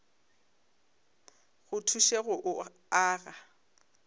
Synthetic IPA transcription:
ɣʊtʰuʃeɣʊʔʊ | aːɣa

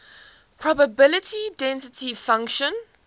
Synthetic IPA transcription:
pʰɹ̥ɔbəbɪlɪtʰidɛ̃nsɪtʰifãŋkʃə̃n

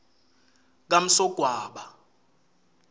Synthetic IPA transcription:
k̬am̩sɔɡ̥ʱwaːɓa

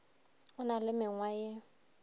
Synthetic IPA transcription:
ʊnalɪmɪŋwajɪ

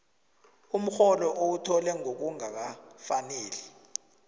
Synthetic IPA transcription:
um̩xɔlɔʔowutʰɔlɛŋok̬uŋak̬afaneːlɛ

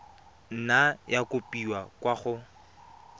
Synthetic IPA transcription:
n̩najakʼʊpʼiwakwaɣʊ

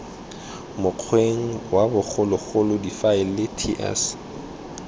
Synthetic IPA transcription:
mʊq͡χʰweŋ̩wabʊk͡xʰʊlʊk͡xʊlʊdifaɪllɪtʰiʔɛ̰s

